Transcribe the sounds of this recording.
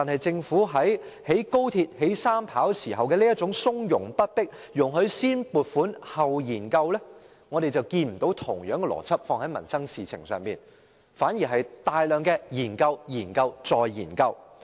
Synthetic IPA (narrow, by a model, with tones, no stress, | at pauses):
t̪aː˨nhɦɐ˨jt͡sɪ˧ŋfuː˨˥ɦɐ˨˥jhe˨˥jko˥wt̪ʰiː˧t̚he˨˥jsaː˥mpʰaː˨˥wsiː˨˩ɦɐ˨wkɛː˧liː˥jɐ˥t̚t͡sʊ˨˥ŋsʊ˥ŋjʊ˨˩ŋpɐ˥t̚pɪ˥k̚ | jʊ˨˩ŋɦɵ˨˧ɥsiː˥npuː˨˩t̚fuː˨˥nhɐ˨wjiː˨˩nkɐ˧wlɛː˥ | ŋɔː˨˧ɾe˨jt͡sɐ˨wkiː˧nm̩˨˩t̪o˨˥wt̪ʰʊ˨˩ŋjœː˨˥ŋkɛ˧lɔ̰ː˨˩t͡sʰɐ˥p̚fɔː˧ŋhɐ˨˥jmɐ̰˨˩nsɐ˥ŋsiː˨t͡sʰɪ̰˨˩ŋsœː˨ŋpiː˨n | faː˨˥nji˨˩ɦɐ˨jt̪aː˨jlœː˨ŋkɛː˧jiː˨˩nkɐ˧wjiː˨˩nkɐ˧wt͡sɔː˨jjiː˨˩nkɐ˧w